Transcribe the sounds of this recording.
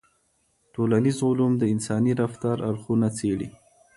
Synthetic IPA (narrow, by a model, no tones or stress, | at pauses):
ʈolanizʊlumd̪əɪnsɑniɾaft̪aɾaɾxunat͡seɽḭ